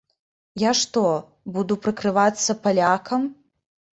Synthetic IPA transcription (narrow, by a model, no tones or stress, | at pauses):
jaʂt̪ɔ | bud̪upɾɨkɾɨvat̪sːɐpalʲakʰɐm